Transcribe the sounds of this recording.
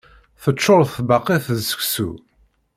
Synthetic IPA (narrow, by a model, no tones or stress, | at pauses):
θət͡ʃːoɾˤθbɑqːiθsə̥ksṵ